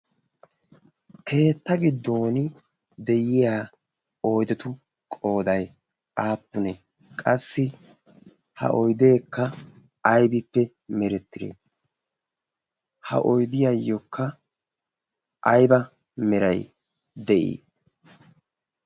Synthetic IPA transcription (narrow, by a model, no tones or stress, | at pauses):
kʰe̞ːt̪ːɐɡɪd̪ːoːnɪ | d̪ɛjɪjaː | oːjd̪ɛt̪ʊ | kʼo̞ːd̪ɐj | aːpːʊnɛ | kʼɐsːɪ | hɐ̰ʔɔjd̪e̞ːkːɐ | ɐjbɪpːɛ | mɛɾɛt̪ːɪɾḛ | hɐ̰ʔɔjd̪ɪjajːɔkːɐ | ʔɐjbɐ | mɛɾɐj | d̪ɛʔḭː